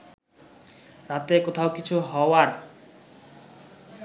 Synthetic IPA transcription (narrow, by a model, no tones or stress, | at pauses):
ɾat̪ekot̪ʰaokit͡ɕʰuɦɔoaɾ